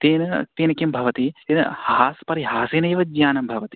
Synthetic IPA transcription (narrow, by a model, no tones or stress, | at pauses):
t̪eːnɐt̪eːnɐkjɐmbʱɐʋɐt̪it̪eːnɐ̰haːspɐɾiɦaːseːnɐjʋɐd͡ʒjaːnɐmbʱɐʋɐt̪i̥